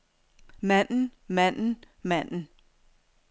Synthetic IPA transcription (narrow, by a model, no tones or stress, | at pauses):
mæn̰n̩mæn̰n̩ | mæn̰n̩